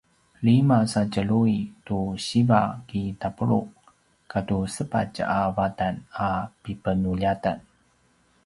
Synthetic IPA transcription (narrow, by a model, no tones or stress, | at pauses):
limasat͡ʃəluituɕibakitapəɾṵʔ | katusəpa̰t͡ʃavatanapipənuʎatan